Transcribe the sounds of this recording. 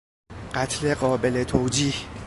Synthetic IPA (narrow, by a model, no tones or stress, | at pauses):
ɢat̪ʰleɢɒːbelet̪ʰowd͡ʒiːh